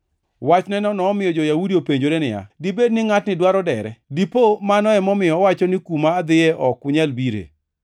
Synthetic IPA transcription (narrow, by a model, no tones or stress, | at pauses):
wat͡ʃnɛnɔnɔːmɪjɔd͡ʒɔjawudiopeɲd͡ʒoɾenɪja̰dibednɪŋatnɪdwaɾɔdɛɾɛ̰dipomanɔɛmɔmɪjɔwat͡ʃɔnɪkumaːd̪ɪɛʔɔkʊɲɛlbiɾḛ